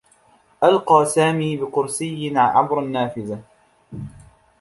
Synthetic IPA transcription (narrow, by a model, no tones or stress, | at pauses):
ʔalqɑːsaːmiːbɪqʊɾsɪjːɪnʕa̰bɾˤʔanːaːfɪða